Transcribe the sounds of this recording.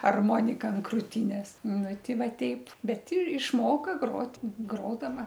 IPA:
ɐrˈmoːnʲɪkɐ ɐn kruːˈtʲiːnʲeːs ˈnʊ ˈtʲɪ ˈʋɐ ˈtʲɛɪp bʲɛt ɪ ɪʃˈmoːkɐ ˈɡroːtʲ ˈɡroːdɐʋɐ

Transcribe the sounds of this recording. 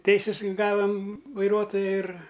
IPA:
ˈtʲɛɪsʲɪs ˈɡɑːʋɐm ʋɐɪˈruɔtoːjɛ ɪr

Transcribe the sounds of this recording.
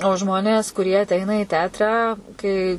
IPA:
oː ˈʒmoːnʲeːs kʊˈrʲiɛ ɐˈtʲɛɪnɐ ɪ ˈtʲɛɐtrɑː kɐɪ

